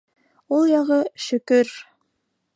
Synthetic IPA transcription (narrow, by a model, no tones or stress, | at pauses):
ulˠjɑʁɤʃɵ̆kɵɾ